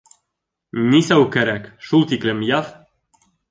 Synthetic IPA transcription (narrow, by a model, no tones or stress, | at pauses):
nisawkɛɾækʃult̪iklemjaf